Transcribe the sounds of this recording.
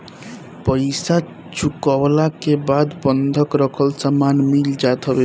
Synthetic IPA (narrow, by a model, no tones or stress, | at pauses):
pəjsa | t͡ʃukɔwlakebad̪bʌnd̪ʱʌkɾʌkʰʌlsamanmild͡ʒat̪ʰʌbe